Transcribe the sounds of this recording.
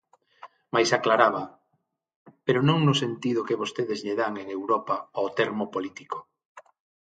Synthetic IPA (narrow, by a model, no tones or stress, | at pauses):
majsaklaɾaβɐ | peɾʊnõŋnʊsent̪ið̞ʊkeβ̞ost̪eðezʎeðaŋeŋewɾɔpaaot̪eɾmopolit̪iko̥